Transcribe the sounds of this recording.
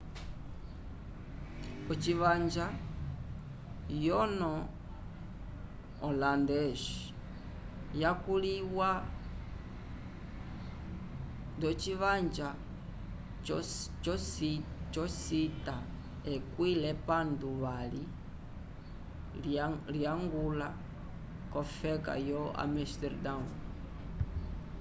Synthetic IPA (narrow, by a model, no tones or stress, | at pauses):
ɔt͡ʃiβaɲd͡ʒa | jɔnɔ | ɔlandɛʃ | jakuliwa | ndɔt͡ʃiʋand͡ʒa | t͡ʃst͡ʃɔsita | ɛkwilɛpanduβali | liaŋɡula | kɔfɛka̰jɔa̰mɛstɛɾdaun